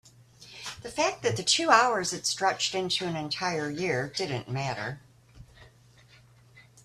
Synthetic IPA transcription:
ðɨfæk̚ðɨt̪̚ðɨtʰʉaʊə˞zɨtstɹ̥ʌt͡ʃtɪ̃ntʰʉɨ̃nɨ̃ntʰaɪə˞jɪɹdɪdⁿn̩mæɾə̰˞

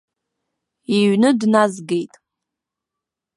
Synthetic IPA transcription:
iɥnɨdnazɡejtʼ

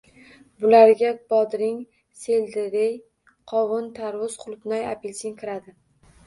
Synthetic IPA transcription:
bʊlaɾɡʲabɒd̪ɾɪŋ | seld̪ɪɾɪj | qʰɒwʊnt̪ʰaɾwʊz̥qʰʊlˠpnaja̰pʰelʲsʰɪŋkʰʲɪɾad̪ɪ

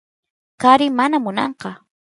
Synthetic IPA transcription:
kaɾɪmanamʊnɑɴqɑ

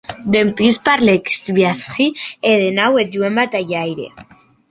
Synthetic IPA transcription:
d̪empispaɾlekst̪βjasxieðenawet̪̚ɟuembat̪ajajɾḛ

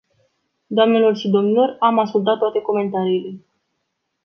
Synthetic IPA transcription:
d̪oamne̞lo̞rʃid̪o̞mnilo̞ramaskult̪at̪ːoat̪e̞ko̞me̞nt̪aɾiːle̞

